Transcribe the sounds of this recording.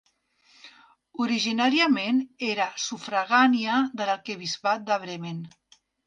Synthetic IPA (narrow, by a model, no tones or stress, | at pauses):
uɾiʒinaɾiəmeneɾasufɾaɣaniaðəlaɾkəβizβat̪̚d̪əβɾemen